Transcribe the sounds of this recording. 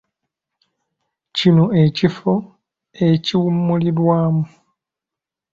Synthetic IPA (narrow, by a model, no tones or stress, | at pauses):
cino̞e̞cifo̞ | e̞ciwumːuliɾwaːmu